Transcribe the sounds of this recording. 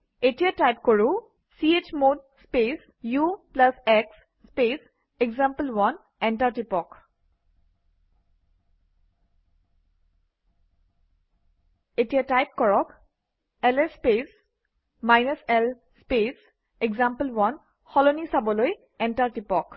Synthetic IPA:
etijatajp̚koɹũ | siet͡ʃmod̚spes | juplasɛksː | pes | eɡzampəlwɔn | ɛntaɹtipɔk | etijatajp̚kɔɹɔk | ɛlɛspes | majnəsɛl | spes | ɛɡzampəlwɔn | xɔlonisabɔloj | ɛntaɹtipɔk

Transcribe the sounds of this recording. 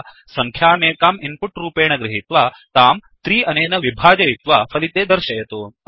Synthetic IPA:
sɐŋkʰjaːmeːkaːmimpuʈɾuːpeːɳɐɡɾɪɦit̪ʋa | t̪aːmt̪ɾiːʔɐneːnɐʋibʱaːd͡ʒɐjit̪ʋapʰɐlit̪eːd̪ɐɾʃɐjɐt̪u

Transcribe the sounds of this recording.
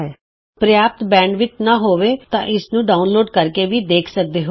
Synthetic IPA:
ɛː | pɾəjaːp̚t̪bɛ̃ːɳɖʋɪt͡ʃnaːɦoːʋeːt̪ã̰ːʔɪsnũːɖaːunloːɖkəɾkeːʋiːd̪eːkʰsək̚d̪eːɦo

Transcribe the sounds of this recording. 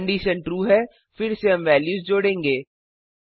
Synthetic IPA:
ɳɖiːʃənʈɾuːɦɛː | fɪɾseɦɐ̃mʋɛːljuːzd͡ʒoːɽẽːŋɡeː

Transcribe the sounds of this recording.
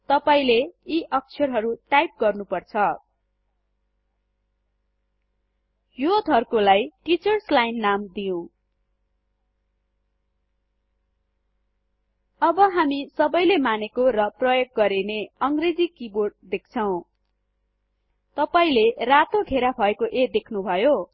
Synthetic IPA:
t̪ʌpaĩleiʔʌk̚t͡sʰʌrɦʌɾuʈajp̚ɡʌrnupʌrt͡sʰʌ | jod̪ʱʌrkolajʈit͡sʌrslajnːamd̪ijõ | ʌbʌɦamisʌbʌjlemanekorʌprʌjoɡ̚ːʌɾeneʌŋɡred͡zikiborʈd̪ek̚ʰt͡sʰʌw̃ | t̪ʌpaĩlerat̪oɡʱeɾabʱʌekoʔed̪ekʰnubʱʌjo

